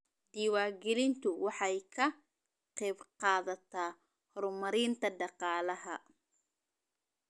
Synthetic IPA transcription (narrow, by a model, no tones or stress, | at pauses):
d̪iːwaːɡɛlɪnt̪ʰʊwɑħɑjkʰɐ | qɛːbqɑːðɐt̪ʰaː | hɔɾʊmɐɾiːnt̪ʰɐɖɑqɑːlɐɦɐ